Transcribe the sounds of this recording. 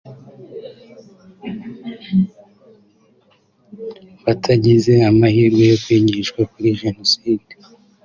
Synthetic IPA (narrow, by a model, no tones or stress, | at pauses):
βatʰaɟize̞amahiːɾɡwejokwiːɲiʃkwakuɾiʒe̞no̞siːd̥e